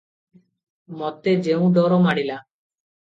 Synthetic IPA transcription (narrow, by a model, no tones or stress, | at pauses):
mɔt̪ed͡ʒeũd̪ɔɾomaɽila